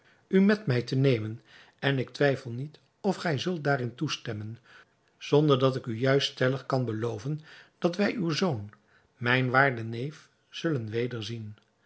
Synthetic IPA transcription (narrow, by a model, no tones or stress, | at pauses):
ymɛtmɛjtənejmən | ɛnɪk̚tʋɛjfəlˠnit | ɔfχɛjzɵlˠt̚daːɾɪntustɛmən | z̥ɔndəɹdɑtɪkyjœɥststɛləχkɑnbəlowvənd̥ɑtʋɛjʔywzown | mɛjnʋaːɹdənejf | z̥ɵlənʋejdəɹzin